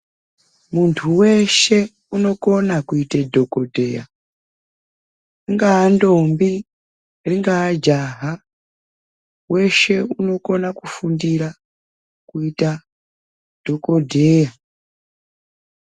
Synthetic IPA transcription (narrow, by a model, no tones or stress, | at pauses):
muntʰuwe̞ʃe̞ | uno̞ko̞nakuitedʱokodʱe̞ja | riŋɡaːndo̞mbi | riŋɡaːd͡ʒaɦa | we̞ʃe̞uno̞ko̞nakufundiɾa | kuita | d̥ʱo̞ko̞dʱeja